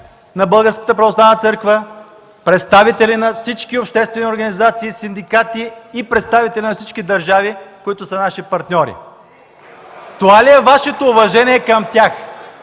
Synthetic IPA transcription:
nɐbəlˠɡəɾskə̥t̪əpɾɐvoslˠavnət̪sɤɾkvə | pɾɛt̪st̪avit̪ɛlinɐfsit͡ʃkiopʃt̪ɛst̪vɛnioɾɡɐnizat̪siːsind̪ikat̪iːpɾɛt̪st̪avit̪ɛlʲinɐfsit͡ʃkid̪ɐɾʒavikoit̪ʊsənaʃipɐɾt̪nʲɔɾḭ | t̪ovaliɛvaʃɛt̪oːvɐʒɛnʲiɛkɐmt̪ʲjax

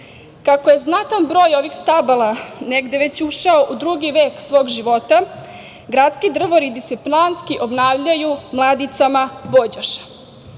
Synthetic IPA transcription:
kakoje̞znat̪anbɾo̞ːjo̞ʋixst̪abalaneɡd̪e̞ʋe̞t͡ɕuʃaoʔud̪ɾuɡiʋeːksʋo̞ːɡʒiʋo̞t̪a | ɡɾat̪skid̪r̩ʋoɾid̪iseplanskiʔo̞bnaːʋʎajumlˠaːd̪it̪amabod͡ʑaʃḁ

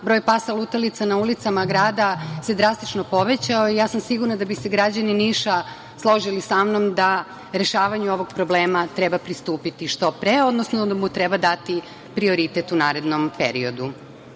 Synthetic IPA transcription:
bɾo̞jpasalˠut̪alit̪sanaulit̪samaɡɾaːd̪ased̪ɾast̪it͡ʃnopo̞ʋet͡ɕaoijaːsamsiɡuɾnad̪abiseɡɾad͡ʑaniniʃa | slˠo̞ʒilisamnomd̪a | ɾe̞ʃaːʋaɲuo̞ʋo̞ɡpɾobleːmat̪ɾɛbapɾist̪uːpit̪iʃt̪o̞pɾeod̪nosnod̪amut̪ɾɛbad̪at̪i | pɾio̞ɾit̪et̪unaːɾe̞d̪nompḛɾio̞d̪u

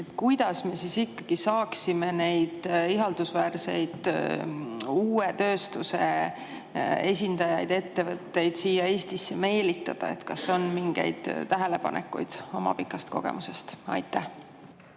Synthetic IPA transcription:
et̪kujd̪̥ɑsme̞sisikːɑɡ̥isɑːksime̞ne̞jd̪̥iɦɑld̪usvæːrse̞jd̪̥ | uːet̪ø̞ːst̪use̞̰ | e̞s̬ʲind̪ɑjɑjd̪e̞t̪ːe̞vɤt̪ːe̞jd̪̥siːjːɑe̞ːst̪isːeme̞ːlit̪ˑːɑd̪̥ɑ̰e̞̰t̪kɑsːo̞nmiŋɡ̥ḛjd̪̥t̪ːæɦe̞le̞pɑ̰nḛkːṵjd̪̥o̞mɑ̰pikːˑɑst̪̚ko̞̰ɡ̥e̞̰muse̞st̪ɑ̰jt̪ːˑæh

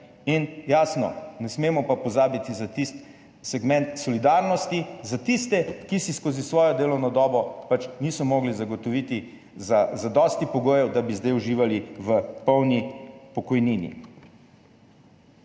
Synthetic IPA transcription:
injaːsnɔ̰nɛsmeːmɔpapɔzaːbit̪izat̪ist̪ | sɛɡmɛ̃nt̪sɔlid̪aːɾnɔst̪izat̪ist̪ɛkisiskoːzisʋɔːjɔd̪eːlɔwnɔd̪ɔːbɔpat͡ʃniːsɔmoːɡlizaɡɔt̪ɔʋiːt̪i | zazad̪ɔːst̪ipɔɡoːjɛwd̪abizd̪ajuʒiːʋaliʋəpɔwnipɔkɔjniːnḭ

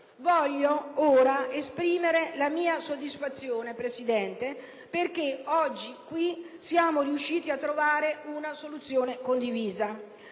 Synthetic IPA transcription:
vɔʎːooːɾaespɾiːmeɾelamiːasod̪ːisfat̪sːjoːnepɾesid̪ɛnt̪e | perk̟eɔd͡ʒːikwi | sjaːmoriuʃːiːt̪iat̪ːɾovaːɾeunasolut̪sːjoːnekond̪iviːza

